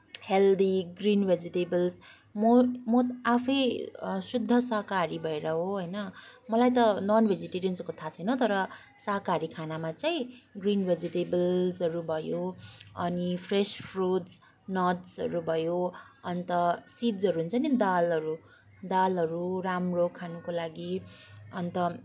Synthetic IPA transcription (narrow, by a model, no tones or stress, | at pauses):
held̪ʱiɡrinbʱed͡ziʈebʌls | momoapʰʌjsud̪ʱːʌsʌɦkaɾibʱʌeɾʌɦoɦʌjnʌmʌlajt̪ʌnʌnbʱed͡ziʈeɾiunskot̪ʰat͡sʰʌjnʌt̪ʌɾʌ | sakaɾikʰanamat͡sʌĩɡrinbʱed͡ziʈebʌlsʌɾubʱʌjoʌnipʰrespʰruts | nʌdsʌ̰ɾubʱʌjo | ʌnt̪ʌsid͡zʌɾuɦunt͡sʰʌnid̪alʌɾu | d̪alʌɾuɾamrokʰanukolaɡiʌnt̪ʌ